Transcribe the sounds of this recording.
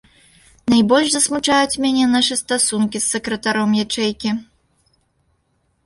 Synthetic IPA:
najbɔlʲʂzɐsmut͡ʂajut͡sʲmʲanʲɛnaʂɨst̪asunkʲisːɐkɾɐt̪aɾɔmjat͡ʂɛjkʲi

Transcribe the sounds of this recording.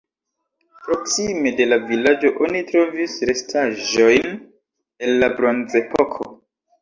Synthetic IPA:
pɾo̞ksime̞de̞lavilad͡ʒo̞ʔonitɾo̞visɾe̞stʰaʒo̞jn | e̞nlabɾonze̞pokʰo̰

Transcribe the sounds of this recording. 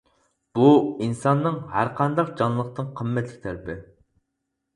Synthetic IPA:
b̥uinsɑnːɨŋɦæɾqʰɑnd̪ɑqd͡ʒɑnlˠəq̚t̪ɨnqʰəmːɛt̪ʰlɪkʲt̪ʰɛlɪpʰɪ

